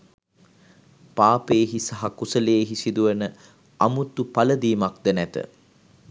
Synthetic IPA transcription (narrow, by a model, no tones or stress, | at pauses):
paːpeːɦisaɦakusəleːɦisid̪uʋənə | amut̪upaləd̪iːmak̚d̪ənæt̪ə̰